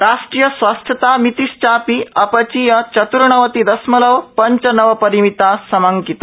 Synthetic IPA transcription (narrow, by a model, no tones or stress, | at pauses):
ɾaʂʈɾijəsʋast̪ʰjət̪amit̪ist͡ɕapiɐpət͡ɕijət͡ɕət̪uɾɳəʋət̪id̪əsmələʋpəɲt͡ɕənəʋəpəɾimit̪asəmaŋkit̪a